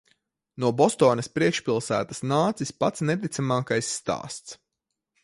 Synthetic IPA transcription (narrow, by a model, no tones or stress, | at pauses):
nuɔbɔst̪ɔːnɐspɾiɛkʃpʲilˠsæ̰ːt̪asnaːt̪sispat̪snɛt̪̬it̪samaːkajsːt̪a̰ːst̪s